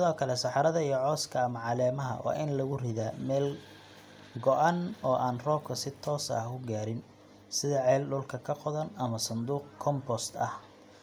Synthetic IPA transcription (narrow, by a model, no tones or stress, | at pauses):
sɪðɔːkʰɐlɛsɑħɑɾɐðɐijɞʕɔːskʰɐːmɐʕɑlɛːmɐɦɐ̰wɑ̰ːʔɪnlɐɣʊrɪðaːmɛːl | ɡɔʔɑnɔːʔaːnrɔːbkʰɐsɪt̪ʰɔːsɐ̰hʊɡaːɾɪn | sɪðɐʕɛːlɖʊlkʰɐkʰɐqɔðɐnɐmɐsɐnd̪uːqkʰɔmbɔst̪ʰɐh